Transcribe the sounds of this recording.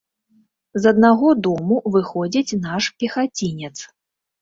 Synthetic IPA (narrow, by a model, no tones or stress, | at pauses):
zɐd̪naɣɔd̪ɔmuvɨxɔd͡zʲit͡sʲnaʂpʲɛxat͡sʲinʲɛt̪s